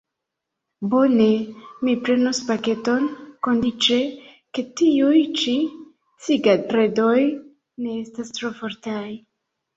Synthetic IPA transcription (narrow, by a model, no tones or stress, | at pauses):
bo̞ne̞mipɾe̞nuspake̞to̞nko̞ndit͡ʃe̞ | ke̞tiujt͡ʃi | siɡatɾe̞do̞j | ne̞e̞stastɾo̞fo̞ɾtaj